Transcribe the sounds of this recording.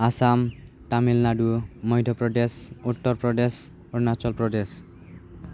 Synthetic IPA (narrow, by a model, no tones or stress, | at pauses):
asam | t̪amilnaɖumojdʱopɾoɖesuʈːoɾpɾoɖes | onat͡ɕolpɾoɖes